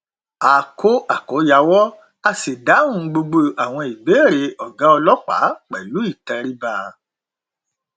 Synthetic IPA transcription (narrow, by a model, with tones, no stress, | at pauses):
aː˨ko˦a˨kɔ˨˦ja˧˦wɔ˦ | a˧si˨dã˨˦ũ˦ɡ͡bo˧ɡ͡bo˧a˨w̃ɔ̃˧i˨be˨˦˨ɾe˨˧˦ɔ˨ɡa˨˦ɔ˧lɔ˦k͡pa̰˨˦k͡pɛ˨lu˨˦i˦˨tɛ˧ɾi˦ba˧˨